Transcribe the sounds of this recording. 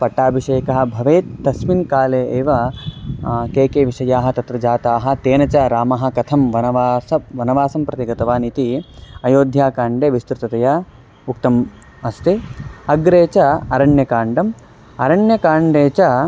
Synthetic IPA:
pɐʈːaːbʱiʂeːkɐɦɐ̆bʱɐʋeːt̪ːɐsminkaːleːeːʋɐ | keːkeːʋiʂɐjaːɦɐ̆t̪ɐt̪ɾɐd͡ʒaːt̪aːɦɐ̆t̪eːnɐt͡ʃɐɾaːmɐɦɐ̆kɐt̪ʰɐmʋɐnɐʋaːsɐʋɐnɐʋaːsɐmpɾɐt̪iɡɐt̪ɐʋaːnit̪iɐjoːd̪ʱjaːkaːɳɖeːʋist̪ɾut̪ɐt̪ɐjɐ | uk̚t̪ɐm | ɐst̪iɐɡɾeːt͡ʃɐɐɾɐɳjɐkaːɳɖɐm | ɐɾɐɳjɐkaːɳɖeːt͡ʃɐ

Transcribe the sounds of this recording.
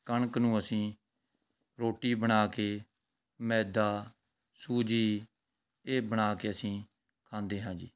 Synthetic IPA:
kəɳknũːəsĩː | ɾoːʈiːbəɳaːkeː | mɛːd̪aː | suːd͡ʒiː | eːbəɳaːkeːəsĩː | kʰãːnd̪eːɦãːd͡ʒḭː

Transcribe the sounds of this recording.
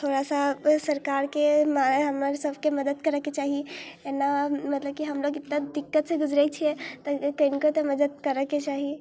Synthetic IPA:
t̪ʰoɾasasəɾkaɾkemaɦəməɾsəbʱkeməd̪əd̪kəɾəket͡ʃaɦienːamət̪ləb̚kiɦəmloɡɪt̪nad̪ikːət̪seɡud͡ʒɾɛt͡ʃʰiet̪əkəɪnikot̪əməd̪əd̪̚kəɾəket͡ʃaɦi

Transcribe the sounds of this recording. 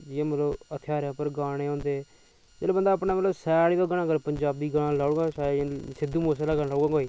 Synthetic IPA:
jeːmət̪ləbət̪ʰjaːɾãːpəɾɡaːɽ̃eːõːnd̪eː | d͡ʒeːleːbənd̪aːpnaːmət̪ləbsɛːɽiːd̪oːɡəɽ̃ãːɡəɾpəɲd͡ʒaːb̚d̪iːɡənãːlaːɡãːsãsɪd̪ːuːmoːsːlaːɡəalaːɡãːɡoːiː

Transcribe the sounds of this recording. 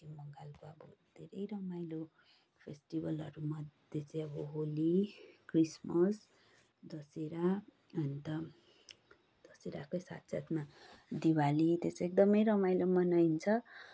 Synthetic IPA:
emʌŋɡalkoʌbʌd̪ʱeɾʌjɾʌmajlo | pʰesʈibʌlʌɾumʌd̪ʱjet͡saj̃ʌbʌɦolikrismʌs | d̪ʌseɾa | ʌnt̪ʌ | d̪̥ʌseɾakʌjsa̰t̪sʰat̪mad̪iwalit̪est͡sek̚d̪ʌmʌjɾʌmajlomʌnajnt͡sʰʌ

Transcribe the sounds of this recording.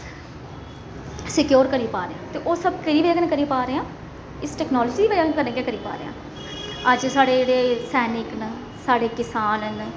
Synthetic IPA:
sɪkjoːɾkəɾiːpaːɾeãːt̪eːʔoːsəb̚kəɾiːʋeːɡənkəɾiːpaːɾeːãː | ɪsʈɛːknɔːlɔːd͡ʒiiʋəd͡ʒakəɾnẽːkeːkəɾiːpa̰ːɾḛːã̰ː | əd͡ʒsaːɽeːeːɽeːsɛːnɪkn | saːɖeːkɪsaːnən

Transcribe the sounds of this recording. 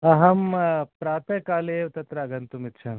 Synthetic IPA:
ɐɦɐmpɾaːt̪ɐkaːleːʋt̪ɐt̪ɾɐɐɡɐnt̪umit̪ːʃʰɐn

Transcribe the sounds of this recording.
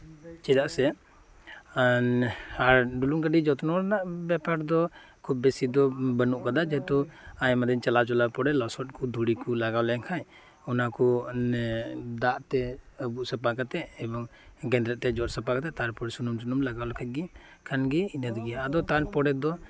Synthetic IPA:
t͡ʃɛd̪aʔsɛ | aɾɖuluŋkəɖid͡ʒɔt̪nɔɾanaʔbɛpaɾd̪ɔ | kʰub̚ːesid̪ɔbənuʔkad̪ad͡ʒɛɛt̪ɔajmad̪ɛɲt͡ʃalat͡ʃɔlapɔɽɛlɔsɔt̚kud̪ʱuɽikulaɡawlɛaŋkʰaj | ɔnakɔ | d̪aʔt̪ɛəbuʔsapakat̪ɛɛbɔŋɡɛ̃nd̪ɾɛt̪ɛd͡ʒɔt̚sapakat̪ɛʔt̪aɾpɔɽɛsunumsunumlaɡawlɛkʰat̪̚ɡi | kʰanɡɛinad̪ɡɛaad̪ɔt̪aɾpɔɽɛd̪ɔ

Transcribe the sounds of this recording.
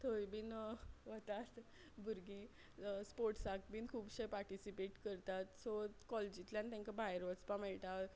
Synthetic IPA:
t̪ʰəjbiːnʋət̪at̪ | bʱuɾɡĩ | spoɾʈsak̚binkʰuːbɕejpaɾʈisipeʈkəɾt̪at̪sot̪kɔled͡ʑit̪ljãnt̪ãŋkabajɾʋət͡spãmɛɭʈ̪a

